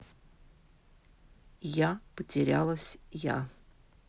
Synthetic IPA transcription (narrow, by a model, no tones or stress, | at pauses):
japətʲʰɪɾʲa̰lˠɐsʲja̰